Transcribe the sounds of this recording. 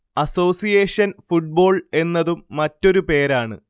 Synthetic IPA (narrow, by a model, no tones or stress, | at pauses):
ɐso̞ːsijeːʂɐnfuʈ̚bo̞ːɭe̞nːɐðumːɐtːo̞ɾupe̞ːɾaːɳɨ̰